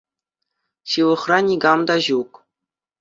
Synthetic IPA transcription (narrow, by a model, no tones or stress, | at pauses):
ɕɯʋɤ̆χrɑnʲiɡɑmd̪ɑʑuk